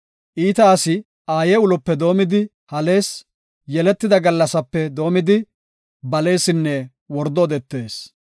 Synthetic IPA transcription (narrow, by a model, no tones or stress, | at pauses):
ʔiːt̪ɐːsɪ | aːjɛʊlɔpːɛd̪o̞ːmɪd̪ɪ | hɐle̞ːs | jɛlɛt̪ːɪd̪ɐɡɐlːɐsɐpːɛd̪o̞ːmɪd̪ɪ | bɐle̞ːsɪnːɛ | wɔɾd̪ɔːd̪ɛt̪ːe̞ːs